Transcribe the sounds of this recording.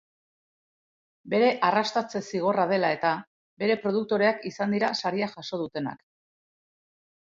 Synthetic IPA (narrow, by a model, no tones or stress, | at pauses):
be̞ɾe̞ʔarast̪at͡se̞siɣ̞o̞rað̞e̞lae̞t̪a | be̞ɾe̞pɾo̞ð̞uk̚t̪o̞ɾe̞akisand̪iɾasaɾiaʝaso̞ð̞ut̪e̞na̰k